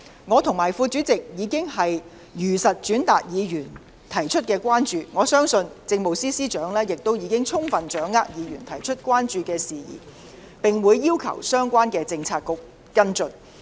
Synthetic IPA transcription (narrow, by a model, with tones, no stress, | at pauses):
ŋɔː˨˧t̪ʰʊ˨˩ŋmaː˨˩jfuː˧t͡ʃyː˨˥t͡sɪ˨k̚jiː˨˥kɪ˥ŋhɐ˨j | jyː˨˩sɐ˨t̚t͡ʃyː˨˥nt̪aː˨k̚jiː˨˧jyː˨˩n | t̪ʰɐ˨˩jt͡ʃʰɵ˥t̚kɛː˧kʷwaː˥nt͡ʃyː˨ŋɔː˨˧sœː˥ŋsɵ˧nt͡sɪ˧ŋmo˨˩wsiː˥siː˥t͡ʃœː˨˥ŋlɛː˥jɪ˨k̚t̪o˥wjiː˨˧kɪ˥ŋt͡sʰʊ˥ŋfɐ˨nt͡ʃœː˨˥ŋːaː˥k̚jiː˨˧ɥyː˨˩nt̪ʰɐ˨˩jt͡ʃʰɵ˥t̚kʷwaː˥nt͡ʃyː˨˧kɛː˧siː˨jḭː˨˩ | pɪ˨ŋwuː˨˧jːiː˥wkʰɐ̰˨˩wsœː˥ŋkʷaː˥nkɛː˧t͡sɪ˧ŋt͡sʰaː˧t̚kːʊ˨k̚ | kɐ˥nt͡sɵ˨˧n